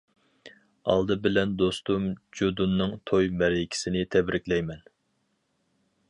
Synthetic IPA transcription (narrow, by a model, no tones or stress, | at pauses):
ɑ̰lˠd̪ɨbɪlɛnd̪ost̪umd͡ʒod̪unːɨŋt̪ʰojmæɾɪkʲʰi̥sɪnɪt̪ʰɛbɾɪkʲlɛjmɛn